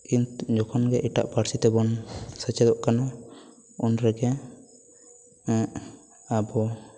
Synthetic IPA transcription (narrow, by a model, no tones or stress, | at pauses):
kint̪ud͡ʒɔkʰɔnɡɛʔiʈa̰ʔpaɾsit̪ɛbɔnsət͡ʃɛd̪ɔʔkana | unɾɛɡɛ | ɛʔ | abɔ